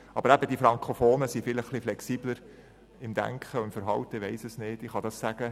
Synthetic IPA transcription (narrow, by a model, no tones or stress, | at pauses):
ʔɑbəɾæbəd̥̪ifɾɑŋkʰχofoːnəsifɪləχχliflɛksiːbləɾ | ɪmd̥̪æ̰ŋkχəʊmfəɾɦɑwt̪əʋeɪsəsneːtɪχɑd̪ɑssæɡ̥ə